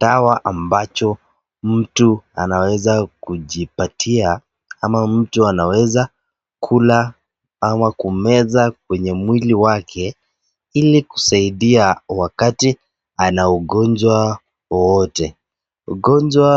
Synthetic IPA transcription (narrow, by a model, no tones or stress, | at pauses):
dawaʔambat͡ʃɔ | m̩tua̰nawɛzakuʄipatʰia | amam̩tuanawɛza | kʰula | amakumɛzak̚wɛɲɛmwiliwakʰɛ | iliku̥saiɗiawakati | anauɠɔɲd͡ʒwa | wɔwɔtɛ | uɡɔɲd͡ʒwa